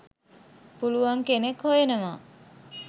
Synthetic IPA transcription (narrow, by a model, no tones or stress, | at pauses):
puluʋaŋkenekhojenəma